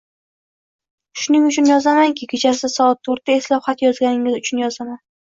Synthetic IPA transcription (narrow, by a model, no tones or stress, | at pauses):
ʃʊnɪŋʊt͡ʃʰʊnjɒzamaŋkʲʰɪkʲʰet͡ʃʰasɪsɒɒt̪ʰːoɾt̪ae̞slˠɒhat̪jɒzɡʲanɪŋɪzʊt͡ʃʰʊnjɒzaman